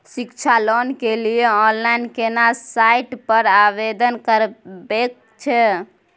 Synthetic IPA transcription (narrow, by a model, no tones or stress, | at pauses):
sikt͡ʃʰalonkelieɔnlainkenasaiʈpəɾabed̪ənkəɾbek | t͡ʃʰɛ